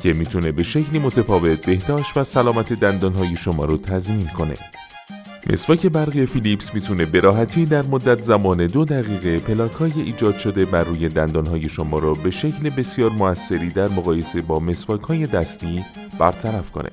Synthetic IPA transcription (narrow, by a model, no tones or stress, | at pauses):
cʰe̞miːt̪ʰune̞be̞ʃecʰliːmo̞t̪ʰefɒːve̞t̪̚ʰbe̞hd̪ɒːʃt̪væsælɒːmæt̪ʰe̞d̪ænd̪ɒːnɦɒːje̞ʃomɒ̰ːɾɔt̪ʰæzmiːnkʰo̞ne̞̰ | mʔe̞̰svɒːcʰe̞bæɾɣiefilipsmiːt̪ʰune̞be̞ɾʔɒːɦæt̪ʰiːd̪æɾmod̪ːæt̪ʰzæmɒːne̞d̪od̪æɣiːɣe̞pʰe̞lɒːkʰhɒːjeʔiːd͡ʒɒːd̪̥ʃo̞d̪e̞bærːuːje̞d̪ænd̪ɒːnɦɒːje̞ʃomɒːɾɔbe̞ʃecʰlebe̞sijɒːɾmoæsːe̞ɾiːd̪æɾmoɣɒːje̞se̞bɒːme̞svɒːcʰhɒːje̞d̪æst̪iː | b̥æɾt̪ʰæɾæfko̞̰nʔḛ